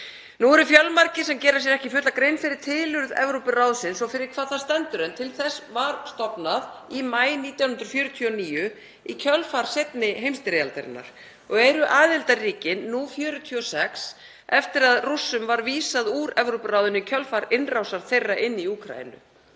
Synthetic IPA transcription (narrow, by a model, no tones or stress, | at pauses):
nuɛɾʏfjœlmaɾcɪsɛmcɛːɾasjɛɾɛhcɪfʏːt̪lakɾejnfɪɾɪɾ̥t̪ʰɪːlʏɾðɛ̰vɾowpʏrawðsɪnsɔfɪɾɪɾ̥kʰvaːðθaðst̪ɛnt̪ʏɾɛnt̪ʰɪlθɛsvaɾ̥st̪ɔpnaðimaːjniːt̪jawnhʏnɾ̥fjœːɾʏt̪ʰyɔniːjʏ | icʰœlfaɾ̥sejt̪nɪɦejmst̪ɪɾejalt̪ɛɾɪ̰nːa̰ɾ̥ | ɔɣɛɾʏʔaːðɪlt̪ariːcɪnːufjœːɾʏt̪ʰyɔsɛks | ɛft̪ɪɾaðrusːʏmvaɾviːsaðuːɾɛvɾowpʏrawðʏnʏicʰœlfaɾɪnrawsaɾ̥θejrːaʔɪnːiuːkʰɾa̰jɪ̰nʏ̰